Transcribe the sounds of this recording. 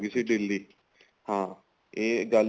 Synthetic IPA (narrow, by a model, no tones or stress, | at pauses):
ɡiːsiɖɪlːiː | hãː | eːɡəl